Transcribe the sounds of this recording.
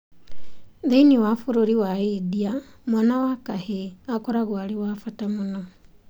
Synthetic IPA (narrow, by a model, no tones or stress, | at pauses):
ðeiniwafuɾoɾiwaidiamwanawakaheakɔɾaɣwaɾewaːfatamunɔ